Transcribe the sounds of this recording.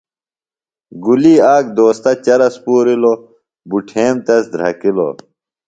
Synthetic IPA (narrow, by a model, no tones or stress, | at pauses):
ɡuliaːk̚d̪oːst̪ɐt͡ɕɐɾɐspuːɾilo | buʈʰeːmt̪ɐsd̪ʱɾɐ̰kilo̰